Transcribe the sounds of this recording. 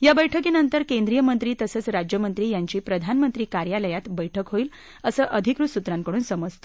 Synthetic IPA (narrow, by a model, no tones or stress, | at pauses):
jabəjʈʰəkiːnənt̪əɾkẽnd̪ɾijəmənt̪ɾiːt̪əsəːt͡sɾad͡ʑjəmənt̪ɾiːjaɲt͡ɕiːpɾəd̪ʱanmənt̪ɾiːkaɾjaləjat̪bəjʈʰəkɦoiːl | əsəːʔəd̪ʱikɾusut̪ɾaŋkəɽuːnsəməd͡zt̪ə̥